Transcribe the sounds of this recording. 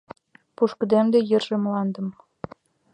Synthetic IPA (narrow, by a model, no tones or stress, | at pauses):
puʃkəd̪emd̪ejə̆rʒĕmlɑnd̪ə̆m